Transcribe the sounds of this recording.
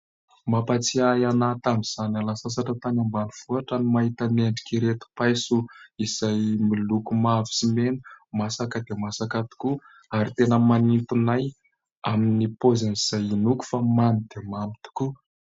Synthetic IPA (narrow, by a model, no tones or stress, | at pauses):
mapat͡siajanat̪amiz̥analasasaʈ͡ʂat̪anambaniv̥uɦaʈ͡ʂanimaɦit̪aneɳɖ͡ʐi̥kiɾet̪u̥pajsuizajmilukumavi̥simenumasakəd̪emasakat̪u̥ku | aɾit̪enəmanint̪unaj | aminipozaniz̥ajinuku̥famamid̪̥emamit̪u̥ku